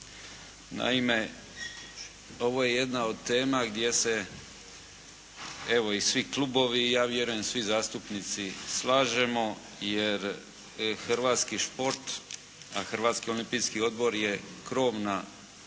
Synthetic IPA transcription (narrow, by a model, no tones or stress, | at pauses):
na̰ime̞ | o̞ʋo̞je̞je̞d̪nao̞d̪̚t̪e̞ːmaɡd̪ʲje̞se̞ | e̞ʋo̞isʋiklˠubo̞ʋijaːʋje̞ɾuje̞msʋizaːst̪upnit̪sislaːʒe̞mo̞ | jeɾ | xrɾʋaːt̪skiʃpo̞ɾt̪ | a̰xr̩ʋaːt̪skio̞limpiːskio̞d̪̚bo̞ɾje̞kɾo̞ːʋna